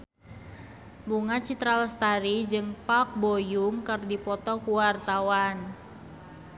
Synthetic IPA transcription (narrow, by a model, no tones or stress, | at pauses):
buŋat͡ʃit̪ɾalst̪aɾid͡ʒɨŋpak̚bojuŋkɨrdipɔt̪ɔkuwart̪awan